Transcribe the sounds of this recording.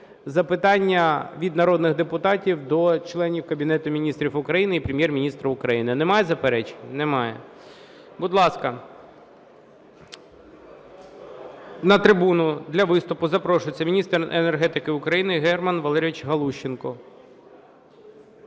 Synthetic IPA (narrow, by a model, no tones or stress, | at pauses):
zɐpɪt̪ɑnʲːɐʋʲid̪nɐɾɔd̪nɪɣd̪epʊt̪ɑtʲiwd̪ɔt͡ʃlˠɛnʲiwkɐbʲinɛt̪ʊmʲinʲist̪ɾʲifʊkɾɐjinɪipɾʲemʲjɛrmʲinʲist̪ɾɐʊkɾɐjinɪnɛmɑjɛzɐpeɾɛt͡ʃe̥nʲnemɑjɛ̰ | bʊd̪lˠɑskɐ | nɐt̪ɾɪbunʊd̪lʲɐʋɪst̪ʊpʊzɐpɾɔʃʊjt͡sʲɐmʲinʲist̪renerɦɛt̪ɪkɪʊkɾɐjinɪɦɛrmɐnʋɐlˠɛɾʲʋɪt͡ʃɦɐlˠuʃːɪnkɔ